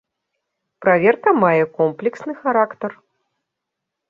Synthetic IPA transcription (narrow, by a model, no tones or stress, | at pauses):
pɾavʲɛrkɐmajɛkɔmplʲɛksnɨxaɾakt̪ɐr